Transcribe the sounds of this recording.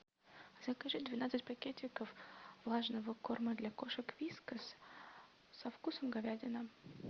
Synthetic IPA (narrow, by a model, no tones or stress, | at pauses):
zɐkɐʐɨd̪vʲɪnat̪sɨtʲpɐkʲetʲɪkəfvlˠaʐnəvəkorməd̪lʲakoʂəkvʲiskəs | sɐfkusəmɡɐvʲædʲɪnə